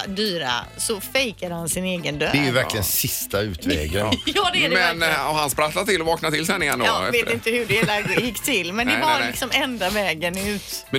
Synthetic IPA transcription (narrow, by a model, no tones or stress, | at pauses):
d̪yːɾa̰sɔfɛjkad̪əhansɪneːɡənd̪ø̰d̪ɛjɵvæɾklɪənsɪst̪aʉ̟ːt̪vɛ̰ːɡəjɑːd̪ɛmɛnɔhanspɾat̪lat̪ːɪlːɔvɑːknat̪ɪlsɛnɪjɛnd̪oːveːt̪ɪnt̪əhʉɖɛːlaɡjɪkːt̪ʰɪlːmɛnd̪ɛvaɾlɪksɔmɛnd̪avɛːɡənʉ̟ːt̪mɛ